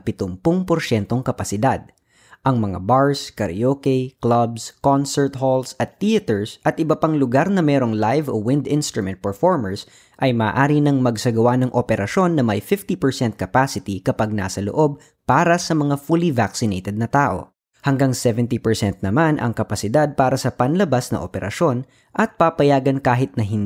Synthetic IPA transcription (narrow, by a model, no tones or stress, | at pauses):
pɪt̪ʊmpʊŋpoɾʃɛnt̪oŋkɐpɐsɪd̪ad̪̚ | ʔɐŋmɐŋa̰baɹskɐɾjokɛjklɐbskonsɛɹt̪holsɐt̪ːiɐt̪ɛɹsʔɐt̪ʔɪbɐpaŋlʊɡaɾnɐmɛːɾo̞ŋlajvowɪ̃nd̪ɪ̃nst̪ɾʊmɛ̃nt̪̚pɛɹfoɹmɛɹs | ʔɐjmɐːʔaːɾinɐŋmɐɡsɐɡɐwanɐŋʔopɛɾɐʃo̞nːɐmɐjfɪft̪ipɛɹsɛnt̪̚kɐpasɪt̪ikɐpaɡ̚na̰ːsɐlo̰ʔo̞b̚ | paːɾɐsɐmɐŋafulivaksɪnejt̪ɛd̪̚nɐt̪aːʔo̞̰ | hɐŋɡaŋsɛvɛnt̪ipɛɹsɛnt̪̚nɐmanʔɐ̰ŋkɐpɐsɪd̪ad̪̚paːɾɐsɐpɐnlɐbasnɐ̰ʔopɛɾʔɐ̰ʃo̞n | ʔɐt̪̚papɐjaːɡɐnkaːɦɪt̪̚nɐɦɪn